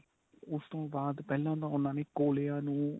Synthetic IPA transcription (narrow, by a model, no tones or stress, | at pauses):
ʊst̪õːbaːd̪pɛːlãːt̪ãːʊnːãːneːkoːleːãːnũː